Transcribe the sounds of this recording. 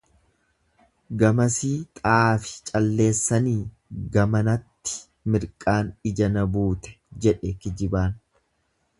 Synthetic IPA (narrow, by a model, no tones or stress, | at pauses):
ɡɐmɐsiːt̪ʼaːfɪ̥t͡ʃʼɐlːe̞ːsːɐniː | ɡɐmɐnɐt̪ːɪ̥ | mɪɾkʼaːnɪd͡ʒɐnɐbuːt̪ɛ̥ | d͡ʒɛᶑɛkɪd͡ʒɪbaːn